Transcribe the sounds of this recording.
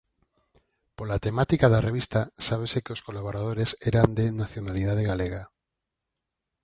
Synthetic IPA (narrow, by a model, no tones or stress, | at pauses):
polat̪emat̪ikaðareβ̞ist̪asaβ̞esekeoskolaβ̞oɾað̞oɾeseɾand̪enaθjonalið̞aðeɣaleɣ̞a